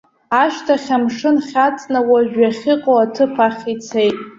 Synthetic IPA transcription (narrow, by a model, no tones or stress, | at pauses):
aʃtʰaχʲamʂɨnχʲat͡sʼnawaʒᶣaχʲɪqʼoatʰɨpʰaχʲit͡sʰejtʼ